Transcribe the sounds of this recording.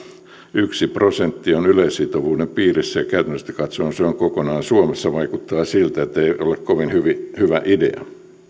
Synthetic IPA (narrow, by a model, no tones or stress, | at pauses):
yksiprosent̪ːionylesːit̪oʋuːdempiːrisːæjɑkæyt̪ænst̪æ̥kɑt̪soːnseoŋkokonɑːnsuomesːɑʋɑikut̪ːɑːsilt̪æet̪ːeiolekkoʋinhyʋihyʋæʔidḛɑ̰